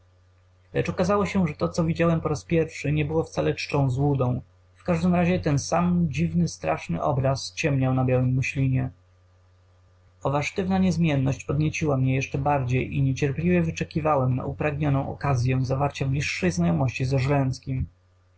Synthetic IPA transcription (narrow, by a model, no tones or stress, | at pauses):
lɛt͡ʂɔkazawɔɕɛʐɛt̪ɔt̪sɔvʲid͡ʑawɛmpɔɾaspʲjɛɾfʂɘɲɛbɘwɔft̪salɛt͡ʂɨ̥t͡ʂɔ̃w̃zwud̪ɔ̃w̃ | fkaʐd̪ɘmɾaʑɛt̪ɛnsamd͡ʑivnɘst̪ɾaʂnɘ̰ʔɔ̰bɾast͡ɕɛmɲawnabʲjawɘmːʊɕlʲiɲɛ | ɔvaʂt̪ɘvnaɲɛzmʲjɛnːɔɕt͡ɕpɔd̪ɲet͡ɕiwamɲɛjɛʂt͡ʂɛbaɾd͡ʑejʔḭɲɛt͡ɕɛɾplʲivʲjɛvɘt͡ʂɛkʲivawɛmna̰ʔupɾaɡɲɔnɔ̃w̃ɔ̰kazʲjɛ̃zavaɾt͡ɕamɲiʂːɛjznajɔmɔɕt͡ɕizaʐlɛñskʲim